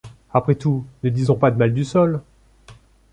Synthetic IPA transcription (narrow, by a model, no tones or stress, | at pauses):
apχɛt̪unəd̪izɔ̃pad̪əmald̪ysɔl